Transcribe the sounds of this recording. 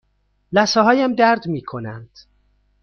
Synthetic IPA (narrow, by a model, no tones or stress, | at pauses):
læsɒːɦɒːjæmd̪æɾd̪miːkʰo̞nænd̪̥